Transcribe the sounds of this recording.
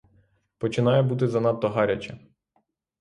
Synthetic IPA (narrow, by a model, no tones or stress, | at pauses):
pɔt͡ʃɪnɑjɛbut̪̬ɪzɐnɑt̪ːɔɦɑɾʲɐt͡ʃɐ